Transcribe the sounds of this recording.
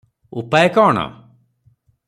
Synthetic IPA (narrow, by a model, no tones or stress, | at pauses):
upajkɔːɳ̃ɔ̰